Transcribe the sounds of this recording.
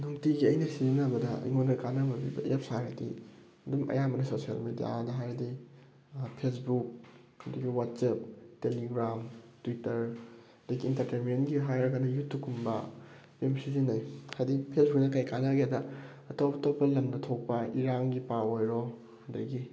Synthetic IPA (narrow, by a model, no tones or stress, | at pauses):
nuŋtiɡiɐjnɐsizinabɐdɐ̰jŋonɾɐkanɐbɐbibɐ̰ep̚saɾɐdḭ | ɐdumɐ̰jamɐnɐsosija̰lmedija̰dɐɦajɾɐdi | pʰesbuk̚ | ɐduɡiwat̚sep̚teliɡɾamtwitɐɾ | ɐdɐɡiːntɐɾtemenɡiɦajɾɐɡanɐjutːukʰumbɐ̰ | bemsizinajhajdipʰesbuk̚nɐkajkanaɡedɐ | ɐtoptopɐlɐmnɐtʰok̚pɐiɾaŋɡipaojɾo | ɐdɐɡi